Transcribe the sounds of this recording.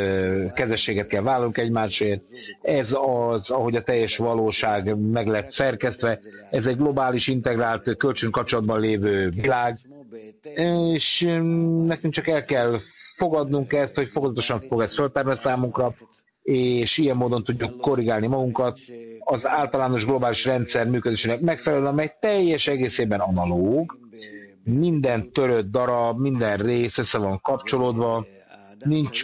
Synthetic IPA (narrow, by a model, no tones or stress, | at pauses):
kɛzɛʃːeːɡɛt̪̚kɛlvaːlɒnuŋkɛɟmaːʃeːrt̪̚ɛzɒzɒɦo̞ɟɒt̪ɛjːɛʃʋɒloːʃaːɡmɛɡlɛt̪sɛrkɛst̪ʋɛɛzɛɟɡlo̞baːliʃint̪ɛɡraːlt̪kø̞lt͡ʃøŋkɒp̚t͡ʃolɒd̪̚bɒnleːvøːvilaːɡ | eːʃ | nɛkɛŋkt͡ʃɒkɛlkɛlfo̞ɡɒd̪nuŋkɛst̪ho̞cfo̞kozɒt̪o̞ʃɒɱfo̞ɡɛst̪følt̪ɛɾnɛsaːmuŋkrɒ | eːʃijɛmːoːd̪o̞nt̪uɟːukːo̞ɾiɡaːlnimɒɡuŋkɒt̪ɒzaːlt̪ɒlaːno̞ʒɡlo̞baːliʃrɛnt̪sɛrmyːkød̪eːʃeːnɛkmɛkfɛlɛløɒmɛjt̪ɛjːɛʃɛɡeːseːbɛnɒnɒloːɡ | mind̪ɛnt̪ø̞ɾød̪̚ːɒɾɒbmind̪ɛnreːsø̞sːɛvɒŋkɒpt͡ʃo̞loːd̪ʋɒ | nint͡ʃ